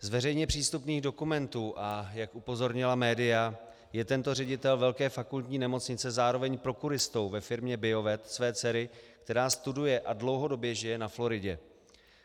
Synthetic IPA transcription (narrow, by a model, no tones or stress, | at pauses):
zvɛrɛjɲɛpr̝̥iːst̪upniːɣdo̞kumɛnt̪uːʔajakʔupo̞zo̞ɾɲɪlamɛːdɪja | jɛt̪ɛnt̪o̞r̝ɛɟɪt̪ɛlvɛlkɛːfakult̪ɲiːnɛmo̞t͡sɲɪt͡sɛzaːɾo̞vɛɲpɾo̞kuɾɪst̪o̞wvɛfɪɾmɲɛbɪo̞vɛt̪svɛːt͡sɛɾɪkt̪ɛɾaːst̪udujɛʔadlo̞wɦo̞do̞bjɛʒɪjɛnaflo̞ɾɪɟɛ